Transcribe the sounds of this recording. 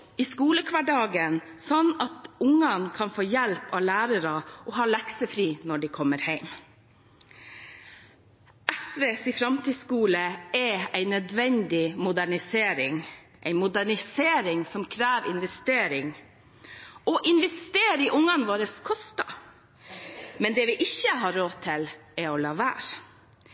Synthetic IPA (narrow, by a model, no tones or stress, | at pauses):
iskuːləkʰʋɑɖɑːɡən | sɔnːɑt̪ʊŋːɑnkʰɑnfoːjælpɑʋlæːɾəɾɑʔɔɦɑːlɛksəfɾiːnɔɖɪkʰɔmːəɾhæɪm | ʔɛsʋeːsɪfɾɑmt̪ʰiːskuːləɛæɪnœd̪ʋɛnd̪ɪmʊd̪æɳɪseːɾɪŋ | ʔæɪmʊd̪æɳɪseːɾɪŋsɔmkʰɾæːʋɪ̰nʋɛst̪eːɾɪŋ | ɔʔɪnʋɛst̪eːɾɪʔʊŋːɑnʋoːɾəskʰɔst̪ɑ | mɛnd̪ɛːʋɪʔɪçəɦɑɾoːt̪ʰɪlɛɔlɑːʋæ̰ːɾ